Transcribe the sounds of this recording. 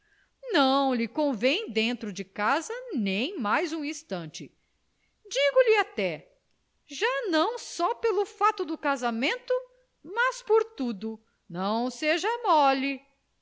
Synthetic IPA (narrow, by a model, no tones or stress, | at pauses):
nɐ̃w̃lɪkõvẽj̃d̪ẽnt̪ɾʊd͡ʒɪkazɐnẽj̃majzũĩst̪ɐ̃nt͡ʃɪ | d͡ʒiɡʊlɪat̪ɛ | ʒanɐ̃w̃sɔpelʊfat̪ʊd̪ʊkazamẽnt̪ʊ | mɐspoɾt̪ud̪ʊ | nɐ̃w̃seʒɐmɔli